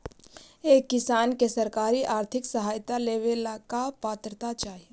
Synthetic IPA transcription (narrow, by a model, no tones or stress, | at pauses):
eːkːɪsaːnkesɐɾkaːɾiʔaːɾt̪ʰɪksəɦaːjt̪aleːʋelakapaːt̪ɾət̪at͡ʃaːɦie